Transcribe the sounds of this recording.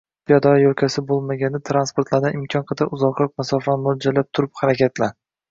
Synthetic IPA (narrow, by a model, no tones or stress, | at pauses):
pʰijɒd̪ɒjolkʲʰasɪbolˠmaɡʲanɪt̪ʰɾanspoɾt̪laɾnɪʔɪmkʲʰɒnqʰɨd̪aʔʊzɒqlˠɒqmasɒfanmʊld͡ʒalap̚t̪ʰʊɾɪphaɾakʲʰat̪la